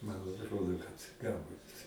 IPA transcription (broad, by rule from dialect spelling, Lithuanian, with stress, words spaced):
mɐn ɐtˈroːdoː kɐt ˈɡɐlˠbʊt